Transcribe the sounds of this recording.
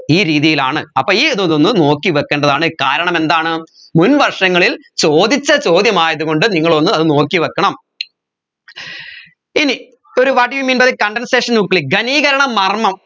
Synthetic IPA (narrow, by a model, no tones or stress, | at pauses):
iːɾiːðijilaːɳɨɐpːoːiːɐðuðonːɨno̞ːkːiʋɐkːeːɳɖɐðaːɳɨkaːɾɐɳɐme̞nd̪aːɳɨ | munʋɐrʂɐŋːɐɭil | t͡ɕo̞ːd̪it͡ɕːɐt͡ɕo̞ːd̪jɐmaːjɐðuɣo̞ɳɖɨniŋːɐɭo̞nːɨɐðɨno̞ːkːiʋɐkːɐɳɐm | ini | o̞ɾuʋaːʈijumiːnbɐðekɐɳɖɐnseːʂɐnukːɭik̚ɡɐniːɣɐɾɐɳɐmːɐrmɐm